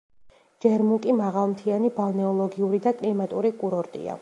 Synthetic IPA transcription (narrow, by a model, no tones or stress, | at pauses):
d͡ʒɛɾmukʼimaʁalˠmt̪ʰianibalˠnɛɔlˠɔɡiuɾid̪akʼlimat̪ʼuɾikʼuɾɔɾt̪ʼḭa̰